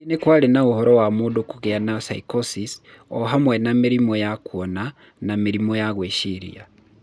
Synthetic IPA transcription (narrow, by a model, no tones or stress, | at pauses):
inekwaːlenauhoɾowamuːdokuɣianasaikosisoɦamwenamiɾimojakuona | namiɾimojaɣweːʃiɾḭa